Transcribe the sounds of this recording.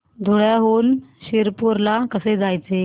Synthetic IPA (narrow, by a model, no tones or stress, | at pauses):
d̪ʱoɭjaɦoːnɕeɾpuɾlakəsed͡zajt͡se